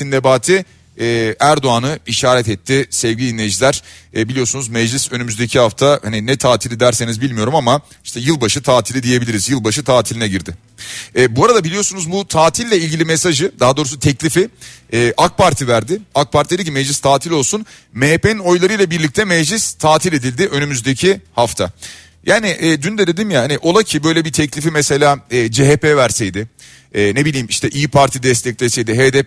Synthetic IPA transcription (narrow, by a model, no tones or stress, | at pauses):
inːebaːt̪ʰi | ɛːæɾd̪o̞anɯiʃaːɾɛt̪ɛt̪ʰːɪsɛvɟilʲiːnʲeʒlʲæɾ̥ɛːbilʲijo̞sunuzmɛd͡ʒlʲisø̞nymyzd̪e̞cʰiɦaft̪ʰaha̰ninɛt̪ʰaːt̪ʰilʲid̪æɾse̞nizbilʲmijo̞ɾumama | i̥ʃt̪ʰɛjɯlˠbaʃɯt̪ʰaːt̪ʰilʲid̪ije̞bilʲiɾizjɯlˠbaʃɯt̪ʰaːt̪ʰilʲinɛɟiɾd̪ɪ | ɛːbuaɾad̪abilʲijosunuzbut̪ʰaːt̪ʰilːʲɛilʲɟʲilʲimesaʒɯd̪aɦad̪o̞ːɾus̬ut̪ʰɛclʲifɪɛːʔak̚paɾt̪ʰivæɾd̪ɪak̚pʰaɾt̪ʰied̪icimɛd͡ʒlʲist̪ʰaːt̪ʰilʲo̞lˠsun | meːpenno̞jlˠaɾɯjlˠabiɾlʲic̚t̪ʰɛmɛd͡ʒlʲist̪ʰaːt̪ʰilʲe̞d̪ilʲd̪ɪʔø̞nymyzd̪ecʰihaft̪ʰa̰ | jʔaːnɪʔɛːd̪ynd̪ɛd̪e̞d̪imjahaniʔo̞lˠacʰibø̞jlʲɛbit̪ʰɛclʲifimɛse̞lʲaːɛːd͡ʒeɦepevæɾsejd̪ɪ | ɛːnebilʲiːmiʃt̪ʰɛʔijipʰaɾt̪ʰid̪ɛst̪ʰɛc̚lʲesejd̪ɪɦed̪ɛp